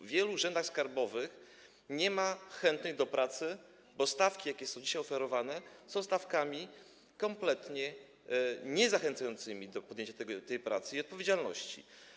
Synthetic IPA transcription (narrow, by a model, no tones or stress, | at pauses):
vʲjɛluʐɛnd̪axskaɾbɔvɘx | ɲɛmaxɛnt̪nɛjd̪ɔpɾat̪sɘ | bɔst̪afkʲijakʲɛsɔ̃w̃d͡ʑiɕajɔfɛɾɔvanɛsɔ̃w̃st̪afkamʲi | kɔmplɛt̪ɲɛ | ɲɛzaxɛnt̪sajɔnt̪sɘmʲid̪ɔpɔd̪jẽɲt͡ɕaɛɡɔt̪ɛjpɾa̰t̪sɘiɔt̪̚pɔvʲjed͡ʑalnɔ̰ɕt͡ɕḭ